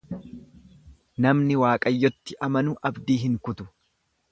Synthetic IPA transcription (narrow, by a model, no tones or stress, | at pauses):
nɐmnɪwaːkʼɐjːɔt̪ːɪʔɐmɐnʊʔɐbd̪iːɦɪŋkʊt̪ʊ̥